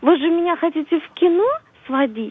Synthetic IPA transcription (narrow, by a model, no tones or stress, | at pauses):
vɨʐɨmʲɪnʲaxɐtʲitʲɪfkʲino | svɐd̪ʲi